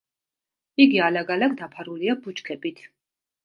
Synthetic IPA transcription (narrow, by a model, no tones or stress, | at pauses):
iɡialaɡalaɡd̪apʰaɾuliabut͡ʃkʰɛbit̪ʰ